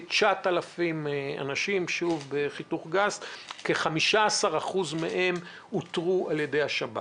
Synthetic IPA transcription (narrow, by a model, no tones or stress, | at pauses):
t͡ʃatalafima̰naʃimʃuvbeχituχɡazkeχamiʃaasaʁaχuzmeʔe̞m | utʁuʔalje̞de̞jhaʃaba̰